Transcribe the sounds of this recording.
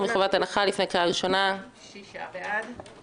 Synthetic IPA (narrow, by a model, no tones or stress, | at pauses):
miχavat̪anaχalifnekaaʁiʃo̞na | d